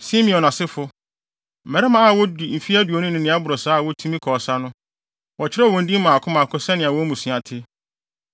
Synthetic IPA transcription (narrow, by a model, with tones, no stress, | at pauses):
sĩ˦mĩ˨ɔ̃˨nã˨sɪ˦fʊ˦ | m̩˨mɛ˨ɾɛ˦mã˦a˨wɔ˦di˨m̩˨fi˦æ˦du˨o˨nʊ̃˦nɪ̃˦nɪ̃˨˦a˦bʊ˨ɾɔ˨saː˦˨wɔ˦tʰu˦mĩ˦kʰɔː˨sa˦nʊ̃˦ | wɔ˨t͡ɕʰɪ˦ɾɛ˦˨wɔ̃˨n̩˦dĩ˦mã˨kʰʊ˦mã˨kʰʊ˦sɛ˦nɪ̃˨a˨wɔ˦mũ˨sĩ˨a˨tʰɪ˦